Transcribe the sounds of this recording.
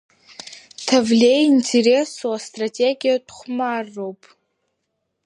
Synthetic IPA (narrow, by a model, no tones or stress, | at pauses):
tʰavlʲe̞jintʰeɾe̞soastʼratʰʲʼeɡʲijadχʷmarːo̞wpʼ